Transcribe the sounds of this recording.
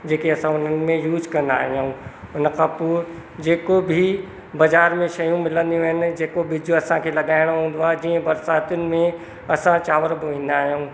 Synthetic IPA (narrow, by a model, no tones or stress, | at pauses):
d͡ʑeːkiɐsãʊn̤ənɪ̆mẽjuːzkɐ̃nd̪a̰ːɦijaũʊnkʰapʊːɾd͡ʑeːkobʱi | bɐzaːɾmẽʃɐjũmɪlə̃nd̪ijũɦɪnɪ̆d͡ʑeːkobɪd͡ʑʱʊɐsãkʰelɐɠaːɪɽ̃oɦũːn̆d̪aːd͡ʑiə̃bɐɾsaːt̪jʊnɪ̆mẽ | ɐsãt͡ʃaːʋəɾbɪʋẽːnd̪aːɦjũː